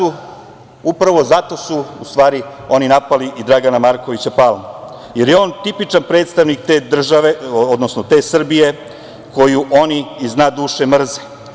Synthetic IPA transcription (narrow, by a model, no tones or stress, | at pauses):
u | upɾaʋo̞zat̪o̞suust̪ʋaːɾio̞ninapaliʔid̪ɾaɡanamaɾko̞ʋit͡ɕapaːlˠm | jeɾjeo̞ːnt̪ipit͡ʃanpɾe̞ːt̪st̪aʋnik̚t̪eːd̪r̩ʒaʋe̞od̪nosnot̪e̞ːsr̩bije̞ | ko̞juʔoniiznaːd̪uːʃemr̩zi̥